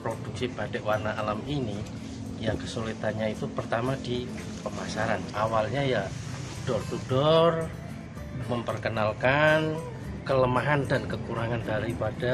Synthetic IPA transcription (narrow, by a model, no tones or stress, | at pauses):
pɾod̥uk̚sib̥adɛʔwarnaʔːlamini | jakəsolit̪anɲait̪upərt̪amadi | pəmasaɾanawalɲaja | t̪ud̥ɔrt̪udɔr | məmpərkənalkan | kələmaɦandankəkuɾaŋandaɾipada